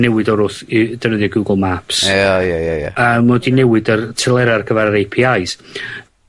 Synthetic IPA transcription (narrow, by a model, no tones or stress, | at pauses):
nɛwɪdɔɾʊθid̥ənəðjɔɡuːɡlˠmapsajajaja̰əːmːɔdinɛwɪdərtʰɪlˠɛɾarɡʰəvaɾəɾejpʰiajs